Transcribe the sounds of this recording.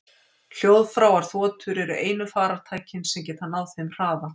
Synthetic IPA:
l̥jowðfɾawaɾ̥θvɔːt̪ʰʏɾɛɾʏʔeːjnʏfaːɾaɾ̥t̪ʰaːjcɪnsɛmcɛːt̪hanːawθejmr̥aːva

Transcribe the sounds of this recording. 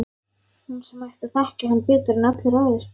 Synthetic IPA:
hunsɛmajht̪aθahcahanːpɪːt̪ʏɾɪnat̪lɪɾaːwðɪɾ̥

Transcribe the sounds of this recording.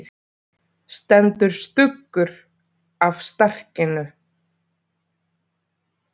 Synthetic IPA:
st̪ɛnt̪ʏɾ̥st̪ʏkːʏɾ | afst̪ar̥cɪnʏ

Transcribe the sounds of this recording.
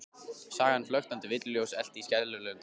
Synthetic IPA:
saːɣhanːflœɥxt̪ant̪ɪvɪt̪lʏljowsɛl̥t̪ɪiscɛðlʏɾlœːɣʏ

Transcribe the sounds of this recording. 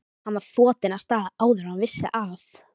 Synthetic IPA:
hanvaɾ̥θɔːt̪ɪnast̪aːðaaːwðʏɾanvɪsːɪ̰ʔaf

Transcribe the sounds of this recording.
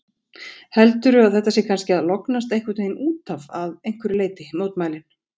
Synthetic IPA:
hɛlt̪ʏɾʏaðθɛht̪ːasjɛːkʰanscɪaðlɔknast̪ejhkat̪enuːt̪ʰavaðejŋ̥kvʏɾɪleːjt̪ɪmoːwt̪maːjlɪn̥

